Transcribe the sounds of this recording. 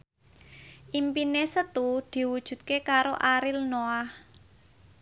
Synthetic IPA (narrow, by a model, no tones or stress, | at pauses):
ʔimpinesət̪ud̪̥i̤wud̥ʒ̥ṳt̪̚kekaɾoʔaɾɪlnoah